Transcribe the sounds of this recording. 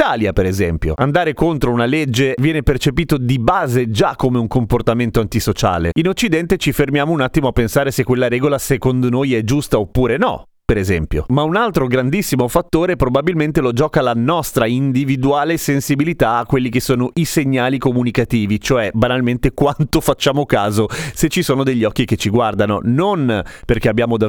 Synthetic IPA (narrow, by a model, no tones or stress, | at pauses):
aːljapeɾezɛmpjo̰and̪aːɾekont̪ɾounaled͡ʒːevjɛːnepert͡ʃepiːt̪od̪ibaːzed͡ʒakːomeuŋkomport̪ament̪oant̪isot͡ʃa̰ːlḛinot͡ʃːid̪ɛnt̪et͡ʃifermjaːmounat̪ːimoapːensaːɾesekːwelːaɾɛːɡolasekond̪onojɛd͡ʒust̪aopːuːɾenɔ̰ | peɾezɛ̰mpjo̰maunalt̪ɾoɡɾand̪isːimofat̪ːoːɾepɾobabilment̪elod͡ʒɔːkalanɔst̪ɾaind̪ivid̪uaːlesensibilit̪aːkːwelːikesːoːnoʔiseɲːaːlikomunikat̪iːvit͡ʃoɛbanalment̪ekwant̪ofat͡ʃːaːmokaːzoset͡ʃːisoːnod̪eʎːɔkːiket͡ʃːiɡward̪ano̰nonperkeabːjaːmod̪a